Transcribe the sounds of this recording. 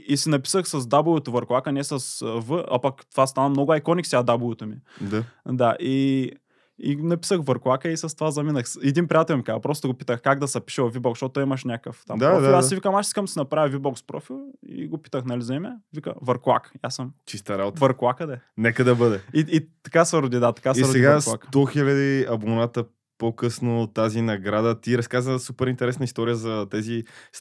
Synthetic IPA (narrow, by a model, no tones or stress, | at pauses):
isinɐpi̥səxsɐzd̪ablˠot̪ovɐɾklˠakənɛsɐsvəɐ̰pɐkt̪ovast̪anɐmnɔɡʊɐjkɔnʲiksiɐd̪ablˠot̪omid̪ad̪aʔi | inɐpi̥səxvɐɾklˠakəisɐst̪ovazɐminəxsɛd̪inpɾiat̪ɛlʲˠmikazɐpɾɔst̪oɡopi̥t̪əxkaɡ̚d̪ɐsɐpi̥ʃɛvˠɐvibɔksʃt̪ot̪ːoimɐʃnʲakəft̪ammaɔilˠasivikəmaʃiskəmsinɐpɾavʲɐvibɔkspɾɔ̰filˠḭɡopi̥t̪əxnɐlizɐimɛvikə̰vɐɾklˠa̰kjasəmt͡ʃist̪ɐɾabot̪vɐɾklˠakəd̪ɛnɛkəd̪ɐbɤd̪ɛiit̪ɐ̥kasɐɾod̪id̪at̪ɐ̥kasiɐɾodsɛiɡaksakt̪ɔxilʲɐd̪iɐbonat̪ə | pokɤsnot̪azinɐɡɾad̪ət̪iɾɐskazəsupɛɾint̪ɛɾɛsnəist̪ɔɾijəzɐt̪azis